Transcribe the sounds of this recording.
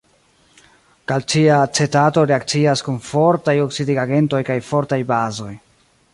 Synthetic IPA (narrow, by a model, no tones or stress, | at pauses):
kalt͡ʃiat͡se̞tato̞ɾe̞ak̚t͡siaskunfo̞ɾtajo̞ksidiɡaɡe̞nto̞jkajfo̞ɾtajbazo̞j